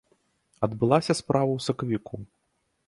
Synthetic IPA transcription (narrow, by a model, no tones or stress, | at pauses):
ɐd̪bɨlˠasʲɐspɾavɐwsɐkɐvʲiku